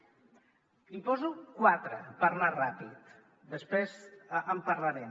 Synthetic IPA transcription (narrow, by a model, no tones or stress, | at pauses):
ipɔzukwat̪ɾə̰pəɾnarapḭt̪ | d̪əspɾezəmpaɾlaɾem